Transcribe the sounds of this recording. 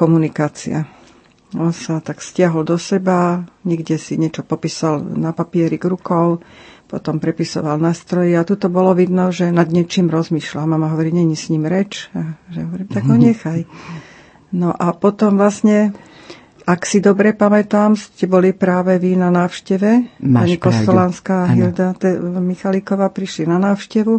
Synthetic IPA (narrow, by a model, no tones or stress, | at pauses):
kɔmunikaːt͡sḭa̰ | ɔnsat̪akscɪaɦɔld̪ɔsɛbaɲɛɡɟɛsiɲɛt͡ʃɔpɔpiːsalnapapɪɛɾiɡɾukɔʊpɔt̪ɔmpɾɛpisɔ̰ʋalnaːst̪ɾɔjɛat̪ut̪ɔbɔlɔʋid̪nɔʒɛnad̪ɲɪɛt͡ʃiːmɾɔzmiːʃlamamaɦɔʋɔɾiɲɛɲisɲimɾɛt͡ʃaʒɛɦɔʋɔɾiːmt̪aɡɔɲɛxaj | nɔʔapɔt̪ɔmʋlasɲɛ | aksid̪ɔbɾɛpamɛt̪aːmscɛbɔlipɾaːʋɛʋinanaːʊʃcɛʋɛpaɲikɔsɛlanskaːɦild̪at̪ɛmixalikɔʋaːpɾiʃlinanaːwʃcɛʋu